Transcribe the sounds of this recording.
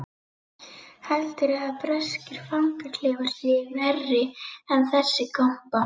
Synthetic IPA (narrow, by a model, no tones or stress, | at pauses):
hɛlt̪ɪɾɛðaðpɾɛscɪɾ̥faŋkat̪ʰlɛːɣaɾ̥sɪːnɛrːɪɛnθɛsːɪkam̥pa